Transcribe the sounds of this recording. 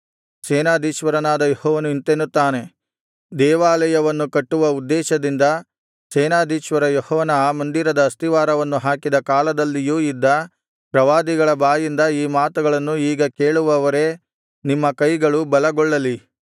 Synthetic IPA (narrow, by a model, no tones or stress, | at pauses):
sɛːnaːd̪iːʃʋɐɾɐnaːd̪ɐjɔhɔːʋɐnuint̪enːut̪ːaːne̞ | d̪ɛːʋaːlɐjɐʋɐnːukɐʈːuʋɐud̪ːɛːʃɐd̪ind̪ɐ | sɛːnaːd̪iːʃʋɐɾɐjɔhɔʋɐnɐmɐnd̪iɾɐd̪ɐːst̪iʋaːɾɐʋɐnːuɦaːkid̪ɐkaːlɐd̪ɐlːijuːid̪ːɐ | pɾɐʋaːd̪iɡɐɭɐbaːjind̪ɐiːmaːt̪uɡɐɭɐnːuiːɡɐke̞ːɭuʋɐʋɐɾe̞ | nimːɐkɐjɡɐɭubɐlɐɡɔɭːɐli